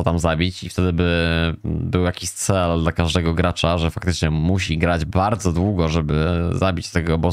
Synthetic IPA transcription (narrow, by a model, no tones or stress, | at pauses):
ɔt̪amzabʲit͡ɕift̪ɛd̪ɘbɘ | bɘwjakʲiɕt̪sɛld̪lakaʐd̪ɛɡɔɡɾat͡ʂaʐɛfak̚t̪ɘt͡ʂɲɛmuɕiɡɾad͡ʑbaɾd̪zɔd̪wuɡɔʐɛbɘzabʲit͡ɕst̪ɛɡɔbɔ